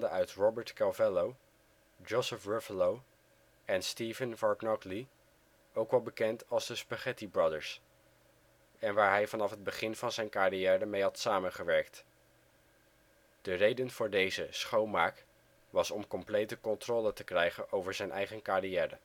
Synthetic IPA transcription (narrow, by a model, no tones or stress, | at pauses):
dəʔœɥtrɔbəɹtkɛlvɛlow | d͡ʒosəfɹɛflow | ɛnstivənvɑɹknɔkli | owkʋɑlˠbəkɛntɑlˠzdəspaχɛtibrɑdəɹs | ɛnʋaːɹɦɛjvɑnɑfɦəd̚bəχɪnvɑnzɛjnkariɛːrəmejɦɑtsaːmənχəʋɛɹkt | d̥ərejdənv̥ʊːɹdejzəsχowmaːk | ʋɑsɔmkɔmplejtəkɔntrɔːlətəkrɛjχənʔowvəɹzɛjnʔɛ̰jχənkarijɛːrə